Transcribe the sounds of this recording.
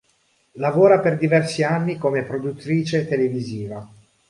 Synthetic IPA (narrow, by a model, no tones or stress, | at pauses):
lavoːɾaperd̪ivɛrsianːikomepɾod̪ut̪ːɾiːt͡ʃet̪eleviziːva